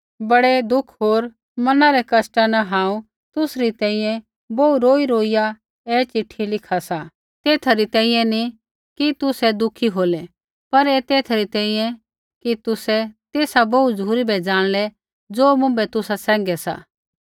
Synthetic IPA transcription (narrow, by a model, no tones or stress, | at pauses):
bɐɽɛd̪ʊkʰɦoːɾ | mɐnaɾɛkɐsʈanaɦãːũ | t̪ʊsɾit̪ɛ̃ːĩjɛ̃ | bouɾoːiɾoːija | ɛːt͡ʃɪʈʰːilɪkʰasa | t̪eːt̪ʰaɾit̪ɛ̃ːĩːjɛ̃ni | kit̪ʊsɛd̪ʊkʰiɦoːlɛ | pɐɾɛːt̪eːt̪ʰaɾit̪ɛ̃ːĩːjɛ̃ | kit̪ʊsɛt̪eːsaboud͡zʱuːɾibɛd͡zaːɽ̃lɛ | d͡zoːmʊ̃mbɛt̪ʊsasɛ̃ːŋɡɛsa̰